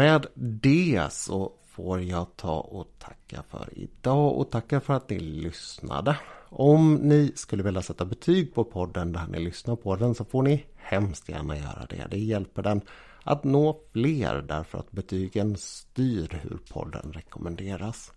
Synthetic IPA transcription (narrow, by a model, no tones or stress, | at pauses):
mɛːd̪d̪ɛsɔfoːɾjɑɡt̪ʰɑ̰ːʔɔt̪ʰḁkʰːafœ̰ɾɪ̰d̪ɑːɔ̰t̪ʰakːafœɾat̪nɪlʏsna̰d̪əʔɔmnɪskɵlːəveːljasɛt̪ːabɛt̪ʰyːɡ̚pʰɔpʰɔd̪ːənd̪æɳʔɪ̰lʏsnaɾpʰɔd̪ɛnsɔfoːɳɪ | hɛmst̪jæ̰ːɳajœ̰ːɾa̰d̪ɛ̰d̪ɛjɛlpəɖɛn | ʔa̰t̪noːfleːɾd̪æɾfœɾa̰t̪̚bɛt̪ʰyːɡənst̪yːɾhɵ̰ɾpʰɔ̰d̪ːə̰nɾɛkɔmʔɛnd̪eːɾas